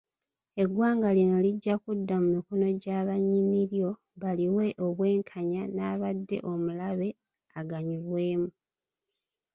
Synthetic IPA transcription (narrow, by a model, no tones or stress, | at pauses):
e̞ɡwaːŋɡalino̞liɟːakudːamumiko̞no̞ɟaːβaɲiniɾjo̞ | βaliwe̞ʔo̞βwe̞ːŋkʰaɲanaːβadːe̞̰ʔo̞mulaβe̞ | aɡaɲiɾwe̞ːmu